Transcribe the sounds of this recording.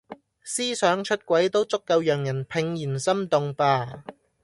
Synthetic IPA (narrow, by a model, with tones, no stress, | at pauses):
siː˥sœː˨˥ŋt͡ʃʰɵ˥t̚kʷwɐ˨˥jt̪o˥wt͡sʊ˥kːɐ˧wjœː˨˩ŋjɐ˨˩npʰɪ˨˧ŋjiː˨˩nsɐ˥mt̪ʊ˨˧ŋpaː˧